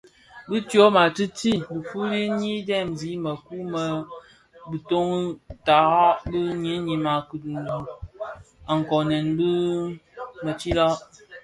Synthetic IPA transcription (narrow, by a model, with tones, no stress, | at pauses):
bi˦tjo˦ma˨ti˦ti˦˨bi˨fu˦ɾi˦ɲi˦dɛ˦˨mzi˨˦mə˨ku˦mə˦ | bi˨to˦ŋ˦ta˨˦bə˦ɲi˨˦ɲi˨ma˨kə˨n˨du˨ | a˨ŋ̩˨kɔ˨ne˨nbi˦ | mə˨t͡ʃi˦la˦